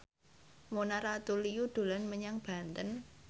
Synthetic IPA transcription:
monaɾat̪ulijud̪̥o̤lanməɲaŋb̥ä̤nt̪ən

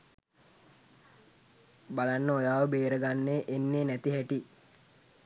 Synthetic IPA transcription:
balanːəojaːʋəbeːɾəɡanːeːʔenːeːnæt̪iɦæʈi

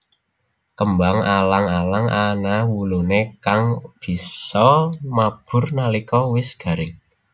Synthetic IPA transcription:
kəmbaŋalaŋalaŋanawulunekaŋb̥i̤sɔmab̥ʊ̤rnalikɔwɪsɡ̥a̤ɾɪŋ

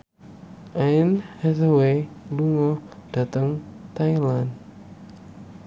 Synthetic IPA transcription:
ʔainhɛzoweluŋɔd̥a̤t̪əŋt̪ailan

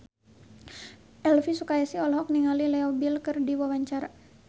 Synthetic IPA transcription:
ʔɛlfisukajasiɔlɦɔk̚niŋalilɛɔbilkɨrdiwawaɲt͡ʃaɾa

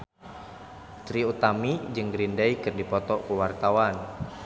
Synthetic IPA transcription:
t̪ɾiut̪amid͡ʒɨŋɡɾindɛjkɨrdipɔt̪ɔkuwart̪awan

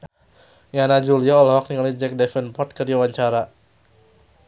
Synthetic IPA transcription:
janad͡ʒuliaolahwak̚niŋalid͡ʒɛk̚dɛfɛnpɔt̪̚kərdiawaɲt͡ʃaɾa

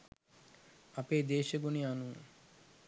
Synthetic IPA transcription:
apeːd̪eːʃeɡunianu

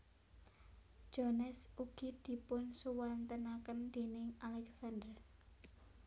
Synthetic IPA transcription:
d̥d͡ʒ̥ɔnɛsuɡ̥i̤d̪̥i̤pʊnsuwant̪ənakənd̪̥e̤nɪŋalɛksand̪ər

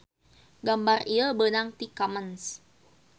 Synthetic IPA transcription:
ɡambariəbənaŋt̪ikaməns

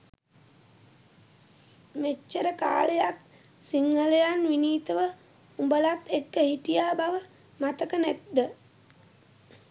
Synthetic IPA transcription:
met͡ʃːəɾəka̰ːləjak | siŋːələjanʋiniːt̪əʋə | umbəlat̪ːekːəhiʈijaːbaʋə | mat̪əkənæt̪̚d̪ə

